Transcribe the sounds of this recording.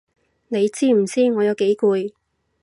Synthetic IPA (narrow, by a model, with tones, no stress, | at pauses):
ne˨˧jt͡siː˥m̩˨˩t͡siː˥ŋɔː˨˧jɐ˨˧wke˨˥jkuː˧j